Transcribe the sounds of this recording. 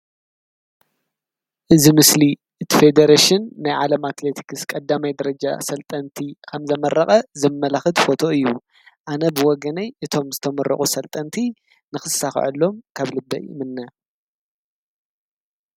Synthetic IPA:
ʔɨzimɨsli | ʔɨt̪ʰife̞d̪ɐɾaʃɪnːajʕalɐmat̪let̪ʰi̥kɨskʼɐd̪ːamajd̪ɐɾɐd͡ʒa̰sɐlt̪ʼɐnt̪ʰikʰɐmzɐmɐɾʔɐχʼɐzɨmmːɐlaxɨd̪fo̞t̪ʰo̞ɨjːu | ʔanɐbɨwɔɡɐnɐjʔɨt̪ʰo̞mzɨt̪ʰɐmɐɾːɐ̰χʼusɐlt̪ʼɐnt̪ʰi | nɨxɨsːafʕɨ̰lːo̞mkʰaβlɨbːɐʔmɨnːɐ

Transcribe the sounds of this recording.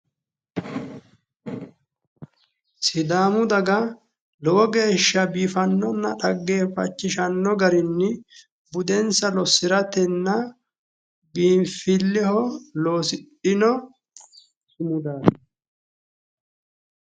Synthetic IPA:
sɪd̪aːmʊd̪ɐɡɐ | lɔwɔɡe̞ːʃːɐbiːfɐnːɔnːɐᶑɐɡːeːfɐ̰t͡ʃːɪʃɐnːɔɡɐɾɪnːɪ | bʊd̪ɛnsɐlɔsɪɾɐt̪ɛnːɐ | biːɱfɪlːɪhɔlo̞ːsɪɗɪnɔ | sʊmʊd̪aː

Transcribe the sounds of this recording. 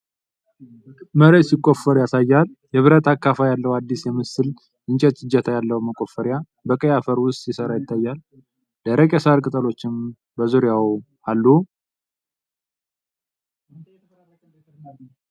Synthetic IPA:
məɾesɪkʼːofəɾujasajːal | jɛβɨɾət̪ʰakːafajalːəwad̪ːisjɛmɨsɨl | ʔɨnt͡ʃʼɛt̪ʼɨd͡ʒɛt̪ʰajalːəwuməkʼo̞fəɾja | bəkʼəjafəɾwʊst̪ʼjɪsəɾajɪt̪ʰːajːal | d̪əɾəkʼɛsaɾkʼɨt̪ʼəlo̞t͡ʃːɪm | bəzuɾɪja | alːu

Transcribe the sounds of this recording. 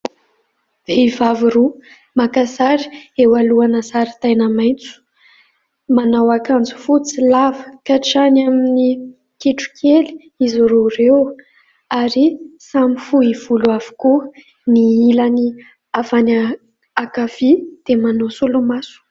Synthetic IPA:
v̥eivaviɾu | makasaɾi̥ewaluanasaɾit̪ajnəmajnt͡su̥ | manawakand͡zu̥fut͡silavə̥kaʈ͡ʂanamini | kiʈ͡ʂu̥kʰeli̥ | izuɾuɾew | aɾisamifuiv̥uluav̥u̥ku | niilani | avana | akav̥id̪̥emanosulumasu̥

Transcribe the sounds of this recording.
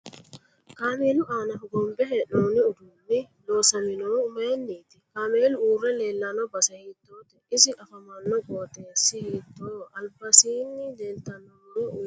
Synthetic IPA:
kaːmeːlʊʔaːnɐɡɔmbɛɦɛnoːnɪʊd̪uːnːɪ | lo̞ːsɐmɪnoːmeːnːiːt̪ɪkaːmeːlʊuːrːɛle̞ːlːɐnɔbɐsɐhiːt̪ːoːt̪ɛɪsɪʔɐfɐmɐnːɔɡʼoːt̪eːsːɪhiːt̪ːoːɐlbɐsiːnːɪd̪eːnt̪ːɐnːɔɛʊ

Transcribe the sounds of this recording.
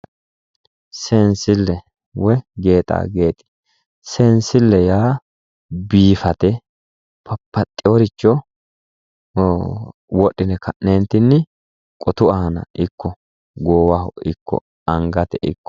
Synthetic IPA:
seːnsɪlːɛ | wɛɡe̞ːt̪ʼa̰ːɡeːt̪ʼɪ̥ | seːnsɪlːɛjaː | biːfɐt̪ɛ | pɐpːɐt̪ʼːɪɔɾɪt͡ʃːɔ | wɔɗːɪnɛkʰɐʔneːnt̪ːɪnːɪ | kʼɔt̪ʊɐhɐnɐ̰ʔɪkːɔ | ɡoːwɐhɔ̰ɪkːɔ̰ | ɐŋɡɐt̪ɛʔɪ̰kːɔ̥

